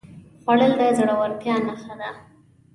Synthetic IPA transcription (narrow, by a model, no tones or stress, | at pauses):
xwaɽəld̪əzəɽawaɾt̪jɑnaxad̪a